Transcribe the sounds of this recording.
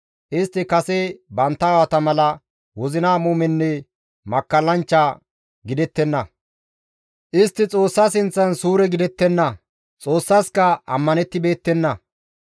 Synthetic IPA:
ʔɪst̪ːɪkɐsɛbɐnt̪ːɐːwɐt̪ɐmɐlɐ | wɔzɪnaːmuːmɛnːɛ | mɐkːɐlːɐnt͡ʃːa | ɡɪd̪ɛt̪ːɛnːɐ | ʔɪst̪ːɪt͡sʼo̞ːsːasɪnt͡sːɐnsuːɾɛɡɪd̪ɛt̪ːɛnːɐ | t͡sʼo̞ːsːaskɐɐ̰mːɐnɛt̪ːɪbe̞ːt̪ːɛnːɐ

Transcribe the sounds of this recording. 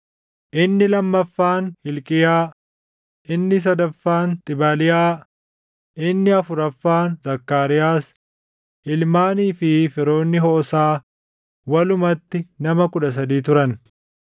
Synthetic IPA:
ʔɪnːɪlɐmːɐfːaːnhɪlkʼɪjaː | ʔɪnːɪs̬ɐd̪ɐfːaːnt̪ʼɪbɐlɪjaː | ʔɪnːɪɐfʊɾɐfːaːnzɐkːaːɾɪjaːs | ʔɪlmaːniːfɪfɪɾo̞ːnːɪɦoːsaː | wɐlʊmɐt̪ːɪnɐmɐkʊᶑɐs̬ɐd̪iːt̪ʊɾɐn

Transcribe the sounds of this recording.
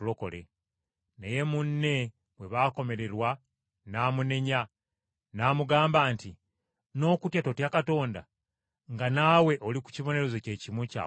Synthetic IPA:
lo̞ko̞lḛ | neje̞munːe̞ | βwe̞βaːko̞me̞ɾe̞ɾwa | naːmune̞ɲa | naːmuɡaːmbaːnti | no̞ːkutjato̞tjakato̞ːnda̰ | ŋɡanawe̞ʔoliku̥ciβo̞ne̞ɾe̞zoce̞ːcimwuca̰

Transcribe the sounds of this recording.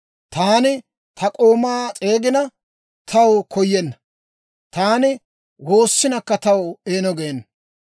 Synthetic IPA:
t̪aːnɪ | t̪ʰɐkʼo̞ːmaːt͡sʼe̞ːɡɪnɐ | t̪ʰɐwkʰɔjːɛnːɐ̥ | t̪aːnɪ | wo̞ːsːɪnɐkːɐt̪ɐweːnɔɡeːnːɐ

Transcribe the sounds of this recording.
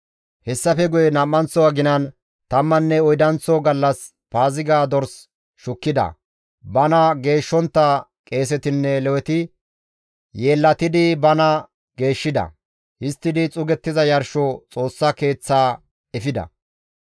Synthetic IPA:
hɛsːɐfɛɡʊjɛnɐmːɐnt͡sːɔwɐɡɪnɐn | t̪ɐmːɐnːɛɔjd̪ɐnt͡sːɔɡɐlːɐs | paːzɪɡaːd̪ɔɾs | ʃʊkːɪd̪ɐ̰ | bɐnɐɡe̞ːʃːɔnt̪ːɐkʼe̞ːs̬ɛt̪ɪnːɛlɛwɛt̪ɪ | je̞ːlːɐt̪ɪd̪ɪbɐnɐ | ɡe̞ːʃːɪd̪ɐ̰ | hɪst̪ːɪd̪ɪt͡sʼʊɡɛt̪ːɪzɐjɐɾʃɔt͡sʼo̞ːsːake̞ːt͡sːaː | ɛfɪd̪ɐ̰

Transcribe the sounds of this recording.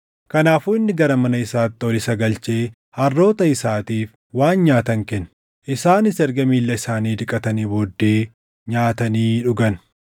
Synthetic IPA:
kɐnaːfuːɪnːɪɡɐɾɐmɐnɐɪsaːt̪ːɪɔlɪsɐɡɐlt͡ʃe̞ː | hɐrːo̞ːt̪ɐɪsaːt̪iːf | waːnɲaːt̪ɐŋkɛn | ʔɪsaːnɪsɛɾɡɐmiːlːɐɪsaːniːd̪ɪkʼɐt̪ɐniːboːd̪ːe̞ː | ɲaːt̪ɐniːᶑʊɡɐn

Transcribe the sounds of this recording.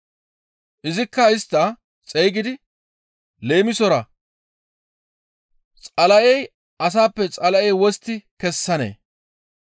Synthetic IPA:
ʔɪzɪkːɐɪst̪ːɐ | t͡sʼɛjɡɪd̪ɪ | le̞ːmɪsɔɾɐ | t͡sʼɐlɐʔɛj | ɐs̬aːpːɛt͡sʼɐlɐʔɛjwɔst̪ːɪkɛsːɐnḛː

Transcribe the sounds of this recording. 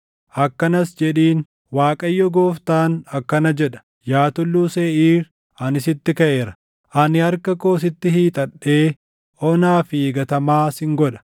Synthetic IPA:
ʔɐkːɐnɐsd͡ʒɛᶑiːn | waːkʼɐjːɔɡo̞ːft̪aːnɐkːɐnɐd͡ʒɛᶑɐ̥ | jaːt̪ʊlːuːseːiːɾ | ʔɐnɪsɪt̪ːɪkɐʔeːɾɐ̥ | ʔɐnɪhɐɾkɐkoːs̬ɪt̪ːɪhiːt̪ʼɐɗːeː | ʔɔnaːfiːɡɐt̪ɐmaːsɪŋɡɔᶑɐ̥

